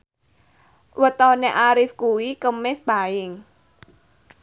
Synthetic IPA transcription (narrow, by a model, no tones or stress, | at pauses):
wət̪ɔneʔaɾɪfkuwikəmɪsbaɪŋ